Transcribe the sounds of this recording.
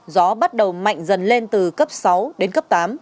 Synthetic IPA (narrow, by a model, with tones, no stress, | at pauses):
zɔ˨˦ɓa˦˥t̚ɗə˨˩wma̰˧˨jŋ̟zə˨˩nle˧nt̪ɨ˨˩kə˦˥p̚sa˨˦wɗe˨˦nkə˦˥p̚t̪aː˨˦m